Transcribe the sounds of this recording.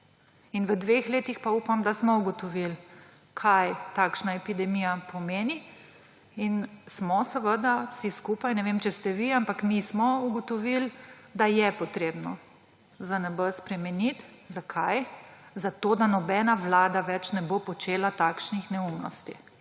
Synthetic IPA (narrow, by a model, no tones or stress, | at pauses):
inʋəd̪ʋexleːt̪ixpaupamd̪asmɔuɡɔt̪ɔʋil | kʰajt̪aːkʃnaɛpid̪ɛmijapʰɔmeːni | insmɔsəʋəd̪awsiskupajnɛʋemt͡ʃɛst̪ɛʋiampakmismɔuɡɔt̪ɔʋil | d̪ajɛpɔt̪ɾeːbnɔ | zanɛbəspɾɛmɛnit̪ | zakʰajzat̪oːd̪anɔbɛnaʋlaːd̪aʋɛt͡ʃnɛbopɔt͡ʃeːlat̪aːkʃnixnɛumnɔ̰st̪i